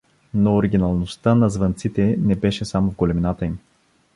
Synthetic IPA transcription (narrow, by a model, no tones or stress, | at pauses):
noːɾiɡʲinɐlˠnost̪ənɐzvɐnt̪sit̪ɛnɛbɛʃɛsamovɡolɛminat̪əim